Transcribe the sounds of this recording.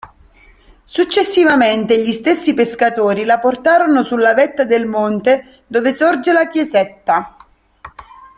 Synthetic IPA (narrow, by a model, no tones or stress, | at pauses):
sut͡ʃːesːivament̪eʎist̪esːipeskat̪oːɾilaport̪aːɾonosulːavɛt̪ːad̪elmont̪e | d̪oːvesord͡ʒelak̟jezɛt̪ːa